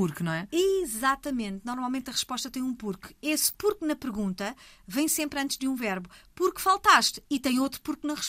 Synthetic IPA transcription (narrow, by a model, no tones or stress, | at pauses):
uɾknɐ̃w̃ɛizat̪ɐmẽnt̪nɔɾmalˠmẽnt̪ɐʁɨʃpɔʃt̪ɐt̪ɐ̃j̃ũpuɾkespuɾknɐpɨɾɣũnt̪ɐ | vɐ̃j̃sẽmpɾɐ̃nt̪ʒd̪jũvɛɾβupuɾkfalˠt̪aʃt̪it̪ɐ̃j̃ot̪ɾupuɾknɐ̃ʁɨʃ